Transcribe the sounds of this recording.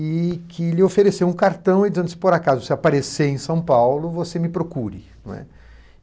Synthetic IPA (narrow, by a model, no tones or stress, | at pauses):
ɪkʰɪlɪofeɾesewũkaɾt̪ɐ̃w̃ɪd͡ʒɐ̃nɪ̥poɾakazʊsɪapaɾeseẽj̃sɐ̃w̃pawlʊvosemɪpɾokuɾɪñɛ̰